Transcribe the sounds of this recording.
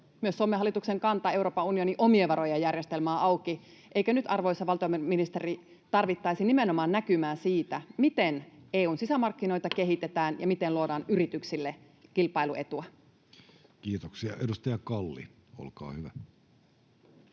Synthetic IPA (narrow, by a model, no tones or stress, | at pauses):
myøsːomːeɑlːˑit̪ukse̞ŋkɑnt̪ɑe̞uɾo̞ːpɑunioniʔo̞mieʋɑɾo̞jɑjærjest̪elmæːʔɑwkiʔeikænyt̪ɑrʋojsːɑʋɑlt̪iomminist̪eri | t̪ɑrʋit̪ːɑjsinimeno̞mɑːnnækymæːsiːt̪æmit̪ene̞ːuːnsisæmɑrkːino̞jt̪ɑke̞ɦit̪et̪æːnjɑmit̪enluodɑːnyɾit̪yksilːe | kilpɑilue̞t̪uæ | kiːt̪oksiɑ̰edust̪ɑjɑkɑlːḭ | o̰lkɑ̰ːhyʋæ